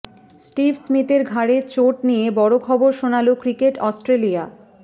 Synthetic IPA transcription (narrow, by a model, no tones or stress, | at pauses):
sʈibʱsmit̪eɾɡʱaɽet͡ɕoʈnijebɔɽokʰɔboɾʃonalokɾikeʈɔsʈɾelia